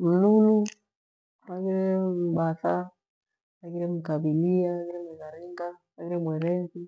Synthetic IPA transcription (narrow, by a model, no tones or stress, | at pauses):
m̩lulu | makiɾɛm̩ɓasa | akiɾɛm̩kabiliaakiɾɛmwɛzaɾiŋɡamakiɾɛmwɛɾɛnsi